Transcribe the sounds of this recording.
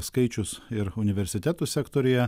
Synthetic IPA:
skɐɪt͡ʃʲʊsɪɾʊnʲɪʋʲɛɾʲsʲɪt̪ʲæt̪usʲækt̪oːɾʲɪjɛ

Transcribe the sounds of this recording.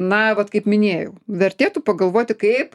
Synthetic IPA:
nɐʋɐt̪kɐɪpmʲɪnʲeːjɛʊʋʲɛɾʲt̪ʲeːt̪upɐɡɐlˠʋoːt̪ʲɪkɐɪp

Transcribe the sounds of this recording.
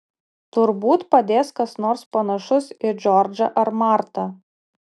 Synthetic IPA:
t̪ʊɾbuːt̪pɐd̪ʲeːskɐsnoːɾspɐnɐʃʊsɪd͡ʒʲɔɾʲd͡ʒɐʔɐɾmɑɾt̪ɐ

